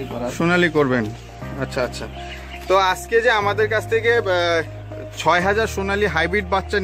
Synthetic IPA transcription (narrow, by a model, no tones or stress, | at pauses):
ʃonalikoɾben | atːɕʰaatːɕʰa | t̪oad͡ʑked͡ʑeamad̪eɾkat͡ɕʰt̪ʰeke | t͡ɕʰɔeɦad͡ʑaɾʃonaliɦajbɾiʈ̚batːɕan